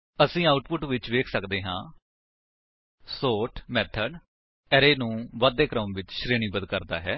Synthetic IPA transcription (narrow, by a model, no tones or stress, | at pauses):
əsĩːaːʊʈpʊʈʋɪt͡ʃʋeːkʰsəkd̪eːɦãː | soːʈʰmɛːt̪ʰəɖ | ɛːɾeːnũːʋaːd̪eːkɾəmʋɪt͡ʃʃɾeːɳ̃iːbəd̪kəɾd̪a̰ːɦɛː